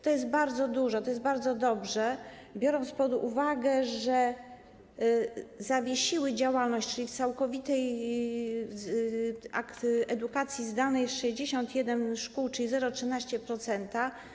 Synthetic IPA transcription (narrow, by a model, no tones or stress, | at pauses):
t̪ɔjɛs̬t̪̚baɾd̪zɔd̪uʐɔt̪ɔjɛst̪baɾd̪zɔd̪ɔbʐɛ | bʲjɔɾɔnt̪spɔd̪ṵvaɡɛʐɛ | zavʲjeɕiwɘd͡ʑawalnɔɕt͡ɕt͡ʂɘlʲift̪sawkɔvʲit̪ɛj | akt̪ɛd̪ukat̪sʲjizd̪alnɛjsʂɛʑd͡ʑeɕɔnt̪jɛd̪ɛnʂkuwt͡ʂɘlʲizɛɾɔtʂɘnaɕt͡ɕɛpɾɔt̪sɛnt̪a